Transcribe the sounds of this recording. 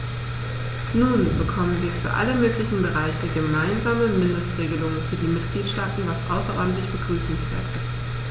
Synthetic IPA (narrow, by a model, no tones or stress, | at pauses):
nuːnbəkʰɔmənviːɐfyːɐʔa̰ləmøːklɪçn̩bəʁaɪçəɡəmaɪnzaːməmɪndəstʁ̥eːɡəlʊŋənfyːɐdiːmɪtɡ̥liːtʃtaːtn̩vasʔaʊsɐʔɔ̰ɐdn̩tlɪçb̥əɡʁyːsn̩sv̥ḛːɐtɪst